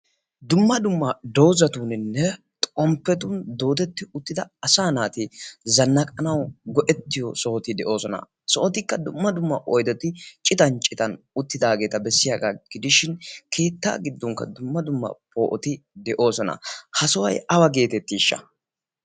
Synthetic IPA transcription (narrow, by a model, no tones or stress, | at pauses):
d̪ʊmːɐd̪ʊmːɐd̪oːzɐt̪uːnɪnːɛ | t̪ʼɔmpːɛt̪ʊnd̪o̞ːt̪̬ɛt̪ːɪʊt̪ːɪd̪ɐɐsaːnaːt̪ɪzɐnːɐkʼɐnɐwɡɔʔɛt̪ːɪjɔsɔːt̪ɪd̪ɛʔo̞ːsɔnɐ̰ | sɔʔɔt̪ɪkːɐd̪ʊmːɐd̪ʊmːɐʔɔjd̪ɔt̪ɪt͡ʃʼɪt̪ɐnt͡ʃʼɪt̪ɐn | ʊt̪ːɪd̪aːɡe̞ːt̪ɐbɛsːɪjaːɡaɡ̥ɪd̪ɪʃɪnkʰe̞ːt̪ːa̰ːɡɪd̪ːɔŋkːɐ̰d̪ʊmːɐd̪ʊmːɐ̰pʰo̞ːʔɔt̪ɪd̪ɛʔo̞ːsɔnɐ̰hɐsɔwɐ̰jɐwɐɡe̞ːt̪ɛt̪ːɪɪʃːɐ̰